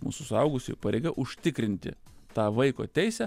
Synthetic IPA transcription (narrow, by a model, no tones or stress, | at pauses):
mṵːsʊsʊɐʊɡʊsʲɪ̰pɐɾʲeɪɡɐʔʊʃʲt̪ʲɪkɾʲɪnʲt̪ʲɪ̰ | t̪ɑːʋɐɪko̰ːt̪ʲɛɪsʲæ